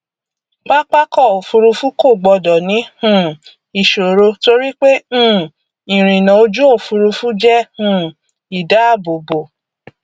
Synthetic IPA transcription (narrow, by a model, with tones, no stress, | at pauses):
k͡pa˦k͡pa˦kɔ˦˨o˨fu˧ɾu˧fu˦ko˦˨ɡ͡bɔ˧dɔ˨nĩ˨˦hũ˦˨ | i˨ʃo˨ɾo˧to˧ɾi˦k͡pẽ˦˨ | ĩ˨ɾ̃ĩ˨nã˨o˦d͡ʒu˦o˦˨fu˧ɾu˧fu˦d͡ʒɛ˦hũ˦˨ | i˨da˨˦a˦˨bo˨bo˨